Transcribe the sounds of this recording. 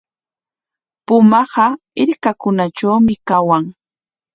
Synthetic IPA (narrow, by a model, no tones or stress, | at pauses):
pʊmɑɢɑ | ɪɾkakʊnat͡ʃawmɪkawaŋ